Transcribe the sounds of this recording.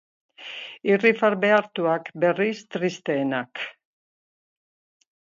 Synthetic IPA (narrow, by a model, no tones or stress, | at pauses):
irifaɾbe̞aɾt̪uakbe̞rist̪ɾist̪e̞ːnak